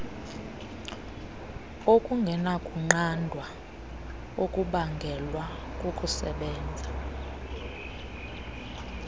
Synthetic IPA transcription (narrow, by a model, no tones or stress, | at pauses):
okʼuŋɡʱɛnakʼuŋ͡ǃandʱwa | okʼuɓaŋɡʱɛlwa | kʼokʼusɛ̰ɓɛːnd͡zʱa